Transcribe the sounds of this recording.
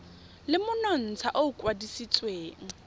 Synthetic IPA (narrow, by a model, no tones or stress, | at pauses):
lɪmʊnɔn̩t͡sʰaʔoʊkʼwadisit͡sʼweːŋ̩